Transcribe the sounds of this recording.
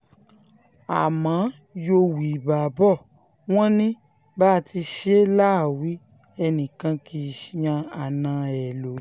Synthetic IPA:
a̰˨mã˨˦ | jo˧wi˨ba˨bɔ˦˨ | w̃ɔ̃˦nĩ˦ | ba˦˨ti˧ʃe˦la˦˨wi˨˦ | ɛ˧nĩ˨kã˧kʰi˧˦˨jã˧a˨nã˧ɛ˨lo˨

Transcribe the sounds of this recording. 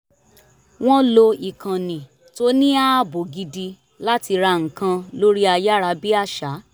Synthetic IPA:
w̃ɔ̃˦lo˧i˨kã˨nĩ˨ | to˦nĩ˦a˦bo˨ɡi˧di˧ | la˦ti˧ɾa˧ŋ̩˨kã˧lo˦ɾi˦a˧ja˦ɾa˧bi˦a˦˨ʃa˨˦

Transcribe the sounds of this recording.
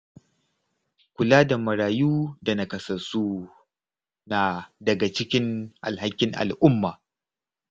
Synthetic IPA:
kʷʊ˨laː˦da˨mɐ˨ɾaː˨juː˦da˨na˨kɐ˨sɐ˨su˦ | na˨dɐ˨ɡa˨t͡ʃɪ˦kʲɪ˦ŋʔa̰˨lha˦kʲːɪ˦ŋʔa̰˨lʔʊ˦mːaː˨

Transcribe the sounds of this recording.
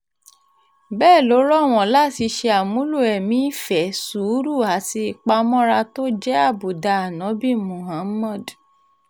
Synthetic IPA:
bɛː˦˨lo˨˦ɾɔ˦˨w̃ɔ̃˨la˦˨ti˧ʃe˧a˨mũ˨˦lu˦˨ɛ˨mĩ˦fɛ˨su˨˦ɾu˦˨a˨si˧i˨k͡pa˧mɔ̃˦ɾa˧to˦d͡ʒɛ˦a˦˨bo˨da˧˨a˨nɔ̃˨˦bi˦mũ˨ɦa˨˦mɔ̃˦˨d

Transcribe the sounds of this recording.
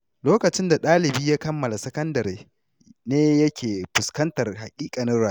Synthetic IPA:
loː˦kɐ˨t͡ʃɪ˦nda˨ɗaː˦lɪ˨biː˦jaː˦kɐ˦mːɐ˨la˨sɐ˦kɐ˦ndɐ˨ɾeː˨ | neː˦jɐ˦kʲʰeː˨ɸʊ˨skɐ˦ntɐ˨rha˨kʲʼiː˦kʼa˨nɐ˦ɾwaː˦˨˦

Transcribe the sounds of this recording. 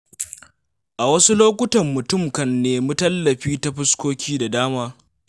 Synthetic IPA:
ʔa˨wɐ˦su˦loː˦kʷʊ˦tɐ˨mːʊ˨tʊ˦˨mkɐ˨nːeː˨mu˦tɐ˦lːɐ˨ɸiː˦ta˦ɸɪ˦skʷoː˦kʲʰiː˦da˨daː˦maː˦

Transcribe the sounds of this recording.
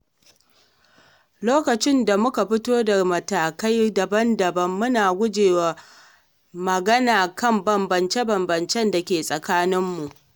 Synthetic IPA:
loː˦kɐ˨t͡ʃɪ˦nda˨mʊ˦ka˨ɸɪ˦toː˦da˨mɐ˨taː˨ka˦jdɐ˨bɐ˦ndɐ˨bɐ˦mːʊ˦naː˨ɡʷʊ˦d͡ʒeː˨wa˨ | mɐ˨ɡɐ˦naː˨kɐ˦mbɐ˨mbɐ˨nt͡ʃe˦bɐ˨mbɐ˨nt͡ʃɛ˦nda˨kʲeː˨sʼɐ˨kaː˦nɪ˦mːu˨ʔ

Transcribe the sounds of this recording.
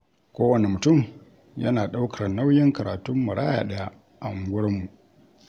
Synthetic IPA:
kʷoː˦wɐ˨ne˨mʊ˨tʊ˦˨m | jɐ̰˦naː˨ɗa˦wkʰɐ˨rna˦wjɪ˦ŋkɐ˨ɾaː˨tʊ˦mːʊ˨ɽa̰ː˦ja̰ː˨ɗɐ˦ja˦ | ʔa˨ŋ˦ɡʷʊ˦ɽɐ˦mːu˨ʔ

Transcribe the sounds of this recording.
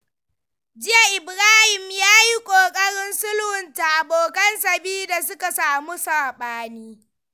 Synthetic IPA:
d͡ʒɪ˦ja˨ʔɪ˨bɾaː˦hɪ˨mjaː˦ji˦kʷʼoː˨kʼɐ˦ɽɪ˦nsʊ˦lhʊ˨nta˨ʔa˨boː˨kɐ˦nsɐ˨biː˦da˨s̬ʊ˦ka˨saː˨mu˦saː˨ɓaː˦niː˦

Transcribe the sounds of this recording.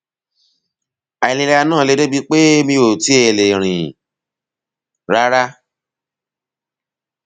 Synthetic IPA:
a˨i˨le˨˧lɛ˧a˧nãː˦˨le˨˦de˦bi˧k͡pe˦mĩ˧o˨ti˨˦e˨le˨ɾ̃ĩ˨ | ɾa˦ɾa˦

